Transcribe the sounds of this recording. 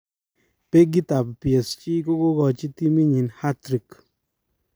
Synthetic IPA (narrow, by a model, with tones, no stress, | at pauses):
pe˦ɡi˦ta˨ppjɛ˨st͡ʃi˦ko˦ko˦kɔ˨t͡ʃi˦ti˦mi˦ɲi˨nha˦tɾi˨k